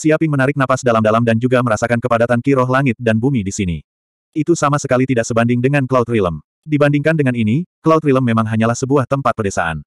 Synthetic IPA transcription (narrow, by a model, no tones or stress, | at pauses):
siapɪŋmənaɾɪk̚nafasdalamdalamdand͡ʒuɡaməɾasakankəpadat̪ankiɾɔɦlaŋɪt̪̚danbumidisinḭ | it̪usamasəkalit̪idaʔsəbandɪŋdəŋanklawt̪riləm | dibandɪŋkandəŋaninikəlawt̪ɾiləmːemaŋɦaɲalahsəbuaht̪əmpat̪̚pərdɛsa̰ʔa̰n